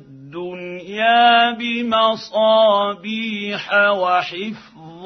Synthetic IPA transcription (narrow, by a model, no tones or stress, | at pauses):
d̪ːʊnjaːbɪmɑsˤɑːbiːħawaħɪf | ðˤ